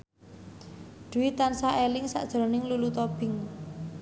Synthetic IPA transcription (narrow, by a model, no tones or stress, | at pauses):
ɖ̪̥ṳwit̪ansaʔelɪŋsa̰ʔd̥ʒ̥ə̤ɾɔnɪŋlulut̪ɔb̥ɪŋ